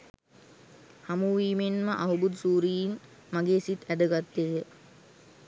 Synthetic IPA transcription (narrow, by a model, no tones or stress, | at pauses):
hamuʋiːmenməʔaɦubud̪suːɾijin | maɡeːsit̪æd̪əɡat̪ːejə